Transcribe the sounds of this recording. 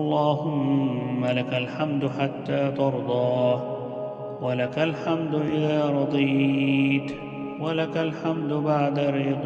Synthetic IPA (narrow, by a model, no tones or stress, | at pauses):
ʔɑlˤːɑːhʊmːalakalħamd̪ħat̪ːaːt̪ɑɾˤd̪ˤɑː | walakalħamd̪ʔɪðaaːɾˤɑd̪ˤiːt̪ | walakalħamd̪ʊbaʕd̪aɾiːd̪ˤ